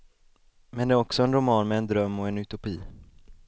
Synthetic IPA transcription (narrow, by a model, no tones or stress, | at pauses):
mɛnd̪ɛæɾɔksɔɛnɾʊmɑːnmɛːnd̪ɾœmːɔɛnɵt̪ʊpiː